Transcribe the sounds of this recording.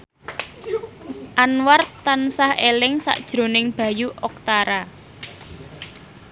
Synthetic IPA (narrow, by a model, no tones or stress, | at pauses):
ʔanwart̪ansahelɪŋsa̰ʔd̥ʒ̥ɾo̤nɪŋb̥ä̤juʔɔk̚t̪aɾa